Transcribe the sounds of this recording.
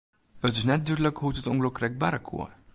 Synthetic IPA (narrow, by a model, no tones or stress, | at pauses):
ətɪsnɛt̚dydləkɦutətɔŋɡlowkrɛjk̚baɾəkʰṵə